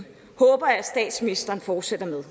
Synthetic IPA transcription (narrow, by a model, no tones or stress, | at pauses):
hɔ̽ːb̥ɐæsd̥ɛ̰ːd̥sminisd̥ɐːnfɒːd̥sed̥ɐmeðˠ